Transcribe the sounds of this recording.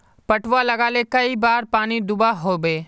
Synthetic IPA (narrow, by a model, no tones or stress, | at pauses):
pɐʈʰʋalɐɡaːlekɐibaːɾpaːnid̪ʊbaɦoːbeː